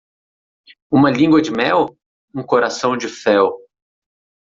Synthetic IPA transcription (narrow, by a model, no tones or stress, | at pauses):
ũmɐlĩŋɡwɐd͡ʒɪmɛw | ũkoɾasɐ̃w̃d͡ʒɪfɛw